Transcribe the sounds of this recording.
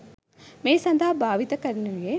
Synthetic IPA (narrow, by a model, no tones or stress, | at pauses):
meːjsɐnd̪aːbaːʋit̪ɐkɐɾnuje